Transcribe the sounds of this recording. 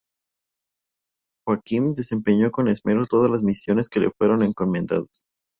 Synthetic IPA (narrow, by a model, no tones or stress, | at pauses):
xwakimd̪e̞se̞mpe̞ɲo̞ko̞ne̞zmeɾot̪o̞ðalazmisjo̞ne̞ske̞le̞̰fwe̞ɾo̞ne̞ŋko̞mẽ̞nd̪a̰ðas